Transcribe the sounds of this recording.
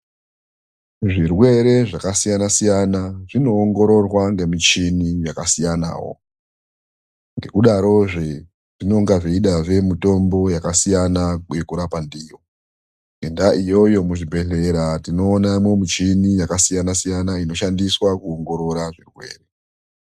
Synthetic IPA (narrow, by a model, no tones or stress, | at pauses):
ʐirwe̞ɾe̞ʐakasijanasijanaʐino̞ːŋɡo̞ɾo̞rwaŋɡe̞mit͡ʃinijakasijana̰ːwo̞̰ | ŋɡe̞kuɗaɾo̞ʐe | ʐino̞ŋɡaʐeiɗaʐe̞muto̞mbo̞jakasijanajekuɾapandijo̞ | ŋɡendaʔijo̞jo̞muʐibʱe̞ɮe̞ɾatino̞ːnaimwe̞mit͡ʃinijakasijanasijanaino̞ʃandiswakuoŋɡo̞ɾo̞ɾaʐirwe̞̰ːre̞